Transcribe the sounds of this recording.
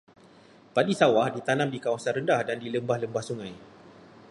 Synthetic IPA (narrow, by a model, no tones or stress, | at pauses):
padisawahdit̪anãmdikawasanɾəndahdandiləmbahləmbahsuŋãj